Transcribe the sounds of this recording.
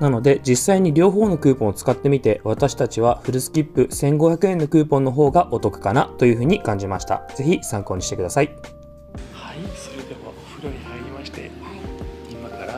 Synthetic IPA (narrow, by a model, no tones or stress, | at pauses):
nano̞d̪e̞d͡ʑisːaiɲ̟iɾʲo̞ːɦo̞ːno̞kɯ̟ːpõ̞ɰ̃ːt͡sɨ̥kat̪ːe̞mʲit̪e̞βat̪aɕi̥t̪at͡ɕiβ̞aɸɯ̟ɾɯ̟sɨ̥kʲipːɯ̟sẽ̞ŋɡo̞çʲjakɯ̟ẽ̞nːo̞kɯ̟ːpõ̞nːoɦo̞ːɡaʔo̞t̪o̞kɯ̟̥kanat̪o̞jɯ̟ɸɯ̟ːɲ̟ikãɲ̟d͡ʑimaɕi̥t̪a̰z̥e̞çisãŋko̞ːɲ̟iɕi̥tekɯd̪asai | haisoɾed̪eβa | ɸɯɾoihaiɾʲimaɕt̪e̞̰ | imakaɾa